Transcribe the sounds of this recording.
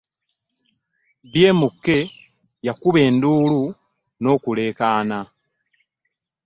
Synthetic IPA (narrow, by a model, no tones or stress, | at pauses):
βjeːmukːe̞ | jakuβe̞ːnduːlu | no̞ːkule̞ːkaːna